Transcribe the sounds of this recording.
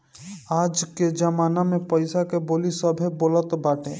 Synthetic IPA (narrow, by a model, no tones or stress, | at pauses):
aːd͡ʒked͡ʒəmaːnamẽpəɪsakeboːlisəbʱeboːlət̪baːʈẽː